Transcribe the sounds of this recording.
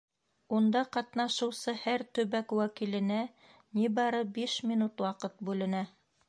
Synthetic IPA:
und̪ɑqɑt̪nɑʃɤ̆wsɤhæɾt̪ɵ̆βækwækilɘ̆næ | nibɑɾɤbiʃmʲinut̪wɑqɤt̪̚bʉlɘ̆næ

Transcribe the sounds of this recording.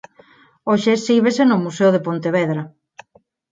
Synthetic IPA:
oʃesiβesenʊmuseoð̞epont̪eβɛðɾa

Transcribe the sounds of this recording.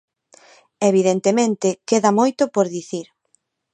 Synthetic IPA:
eβiðent̪emẽnt̪ɪkeðɐmojt̪ʊpoɾðiθiɾ

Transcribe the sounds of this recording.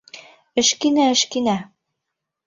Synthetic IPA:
ɘ̆ʃkinæɘ̆ʃkinæ

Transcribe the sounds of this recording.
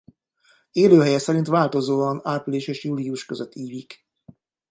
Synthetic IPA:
eːløːɦɛjɛsɛɾint̪ʋaːlt̪o̞zoːɒnaːpliʃeːʃjuːliuʃkøzøt̪ʰːiːvik

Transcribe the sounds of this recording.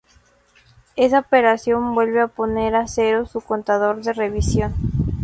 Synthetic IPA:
e̞saope̞ɾasjombwe̞lβe̞apone̞ɾase̞ɾo̞suko̞nt̪aðo̞ɾðe̞re̞βisjo̞n

